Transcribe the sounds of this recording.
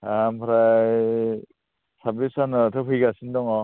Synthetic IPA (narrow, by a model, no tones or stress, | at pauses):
ampʰɾaj | sabisanɯtʰɯpʰɯjɡasindɔŋɔ